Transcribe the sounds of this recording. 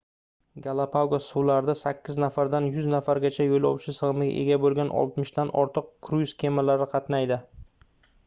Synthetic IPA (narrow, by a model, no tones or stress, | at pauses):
ɡalˠapʰawɡasuwlaɾd̪asakʲːɪznafaɾd̪anjʊznafaɾɡʲat͡ʃʰajojlɒwt͡ʃʰɪsɨʁɨmɪɡʲa̰ʔe̞̰ɡʲabolˠɡʲanɒ̰lˠt̪mɪʃd̪anɒ̰ɾt̪ʰɨq̚kʰɾujskʲʰemalaɾɪqʰɑt̪najd̪ɪ